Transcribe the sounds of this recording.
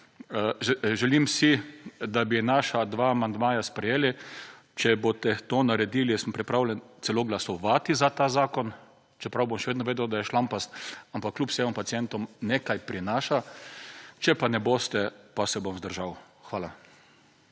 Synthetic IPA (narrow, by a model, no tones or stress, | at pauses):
ʒʒɛlimsid̪abinaʃad̪ʋaːmand̪maːjaspɾɛjeːli | t͡ʃɛbot̪ɛt̪oːnaɾɛd̪iːlisəmpɾɛpɾawlʲɛnt̪sɛloːɡlasɔʋat̪izat̪aːzaːkɔn | t͡ʃɛpɾawbomʃɛʋeːd̪nɔʋeːd̪ɛwd̪ajɛʃlampast̪ampakːlʲupsɛmɔmpat̪iɛnt̪ɔmneːkajpɾinaːʃa | t͡ʃɛpanɛboːst̪ɛpasɛbomzd̪əɾʒaw | xʋaːla